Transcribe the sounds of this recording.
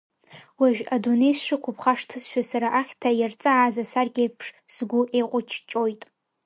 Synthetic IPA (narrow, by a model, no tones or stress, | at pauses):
waʒᶣadunejsʂɨkʷʰʊpʰχaʂtʰɨsʃᶣasaɾaʔaχʲtʰajart͡sʼaːzasarɡʲejpʰʂzɡʷʊʔejqʷʼʊt͡ʃʰt͡ʃʼojtʼ